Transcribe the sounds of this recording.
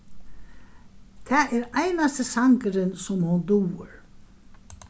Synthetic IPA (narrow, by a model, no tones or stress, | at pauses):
t̪ʰɛːʔɛɾajnast̪ɪsaŋkəɾɪnsʊmhʊnd̪uːʏɾ